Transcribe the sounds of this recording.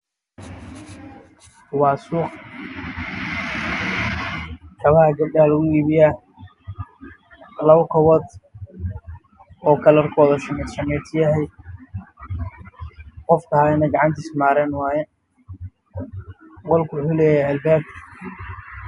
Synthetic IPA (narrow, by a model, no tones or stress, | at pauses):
wɑːsuːq | kʰɐβɐhɐɡɐb̚ɖɐɐlɐɣʊiːβɪjaː | lɐwkʰɔwɔd̪ | ɔːkʰɐlɐrkʰɔːðɐʃɐmʃɐmɛːt̪ʰɪjɐɦɛj | qɔfkʰɐhaːɪnɐɡɑʕɑnt̪ʰɪsmaːɾɛːnwɑːjɛ | qɔlkʰʊwʊħulɛːjɛjɐlbɛːb̚